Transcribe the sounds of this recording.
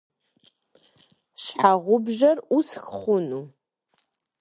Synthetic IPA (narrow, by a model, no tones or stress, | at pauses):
ɕħaʁʷʊbʒɐrusxχʷʊnu